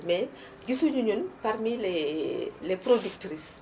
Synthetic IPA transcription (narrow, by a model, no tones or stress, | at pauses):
mɛ | ɡisuɲuɲunparmile | leprodik̚tris